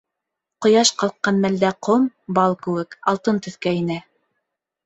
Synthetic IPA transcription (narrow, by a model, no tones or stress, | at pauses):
qŏjɑʃqɑlˠqːɑnmæld̪æqʰombɑlˠkɘ̆wɘkɑlˠt̪ɤnt̪ɵ̆θkæinæ